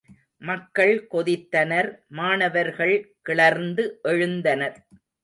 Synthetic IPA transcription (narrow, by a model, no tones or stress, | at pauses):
mɐkːɐɭkɔðɪt̪ːɐnɐɾmaːnɐʋɐɾɣɐɭkɪɭɐɾnd̪ɯʔɛɻɯnd̪ɐnɐɾ